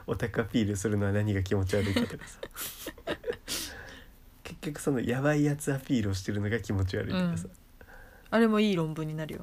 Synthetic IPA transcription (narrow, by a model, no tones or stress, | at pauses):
o̞t̪akɯapʲiːɾɯ̟sɨɾɯno̞βanaɲ̟iɡak̬ʲimo̞t͡ɕiβaɾɯ̟it̪at̪o̞kḁsḁ | ke̞kʲːo̞kɯ̟so̞no̞jaβaijat͡sɨapʲiːɾɯ̟o̞ɕi̥t̪e̞ɾɯ̟no̞ɡakʲimo̞t͡ɕiβa̰ɾɯ̰it̪okasa | aɾe̞mo̞iːɾõ̞mbɯ̟̃ɲ̟ːinaɾɯ̟jo̰